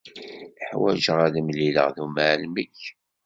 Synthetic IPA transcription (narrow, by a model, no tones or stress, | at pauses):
əħwæ̰ʒəʁæðəmlilə̰ʁðumaʕlməç